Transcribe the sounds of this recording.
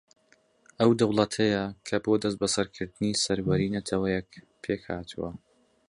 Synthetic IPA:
ʔɐwd̪ɐwlˠɐt̪ʰɐjɐkʰɐboːd̪ɐs̬t̪̚bɐsɐɾkʰɨɾd̪ɨnisɐɾwɐɾiːnɐt̪ʰɐwɐjɛk̚ | pʰeːkhaːt̪ʰṵwɐ̰

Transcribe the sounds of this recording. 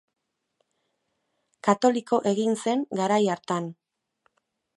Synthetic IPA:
kat̪o̞likʰo̞ʔe̞ɣinse̞ŋɡaɾajaɾt̪an

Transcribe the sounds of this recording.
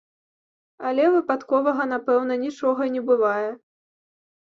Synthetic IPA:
ɐlʲɛvɨpat̪kɔvɐɣɐnapɛwn̪ɐnʲit͡ʂɔɣɐnʲɛbɨvajɛ

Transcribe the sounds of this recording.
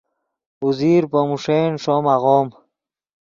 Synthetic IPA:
uziːɾpəmuʂeːnʂoːmaʁoːm

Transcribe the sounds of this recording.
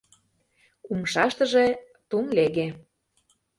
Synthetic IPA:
umʃɑʃt̪ə̆ʒe | t̪unleɣe

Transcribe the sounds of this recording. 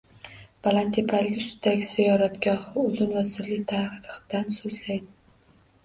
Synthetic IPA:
balant̪ʰepʰaljʊsd̪aɡʲɪz̥ɪjɒɾat̪ɡʲɒhɪʊzɪnvasɪɾlɪk̚ʲt̪ʰahɾɨχd̪̥ansɵzlajd̪ɪ

